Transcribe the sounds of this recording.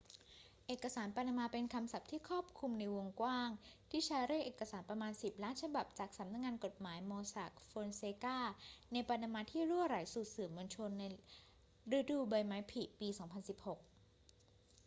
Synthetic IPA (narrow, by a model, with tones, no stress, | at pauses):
ʔeː˨˩kːa˧saː˩˦npa˧na˧maː˧pe˧nkʰa˧msa˨˩p̚t̪ʰiː˥˩kʰɔː˥˩p̚kʰu˧mna˧jwo˧ŋkwaː˥˩ŋt̪ʰiː˥˩t͡ɕʰaː˦˥jɾeː˥˩kʔeː˨˩kːa˧saː˩˦npɾa˧maː˧nsi˨˩p̚laː˦˥nt͡ɕʰa˧ba˨˩p̚t͡ɕaː˨˩k̚sa˩˦mna˧˥k̚ŋaː˧nko˨˩t̪̚maː˩˦jmoː˧sa˨˩k̚foː˧nseː˧kaː˥˩na˧jpa˧na˧maː˧t̪ʰiː˥˩ɾu˥˩əɾa˨˩˦jsu˨˩t̪̚sɯː˨˩mːɯ˧nt͡ɕʰo˧nːa˧j | ɾe˦˥duː˧ba˨˩jmaː˦˥jpʰi˨˩piː˧sɔː˩˦ŋpʰa˧nsi˨˩p̚ho˨˩k̚